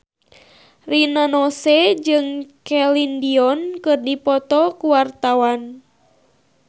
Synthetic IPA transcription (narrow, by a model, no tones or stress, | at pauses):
rinanɔsɛd͡ʒɨŋkɛlindiɔnkɨrdipɔt̪ɔkuwart̪awan